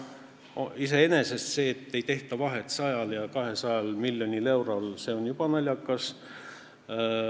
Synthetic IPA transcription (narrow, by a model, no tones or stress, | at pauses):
ise̞e̞nese̞st̪se̞ːt̪ːe̞jt̪e̞ht̪ɑvɑɦe̞t̪sɑjɑljɑkɑɦe̞sɑjɑlmilʲːjo̞nʲile̞wɾɑlse̞o̞njub̥ɑnɑlʲjɑkːɑs